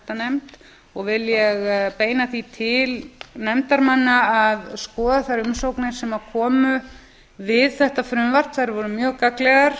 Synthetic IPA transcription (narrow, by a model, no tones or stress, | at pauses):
t̪anɛmt̪ | ɔɣvɪljɛɣpeːjnaθit̪ʰɪlnɛmt̪aɾmanːaaðskɔːðaθajɾʏmsowknɪɾ̥sɛmawkʰɔːmʏ | vɪðθɛht̪afɾʏmvar̥t̪θajɾvɔɾʏmjœːɣkaklɛɣaɾ̥